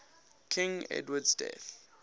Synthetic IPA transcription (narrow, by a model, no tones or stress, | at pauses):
kʰĩŋɛ̰dwədsdɛ̰θ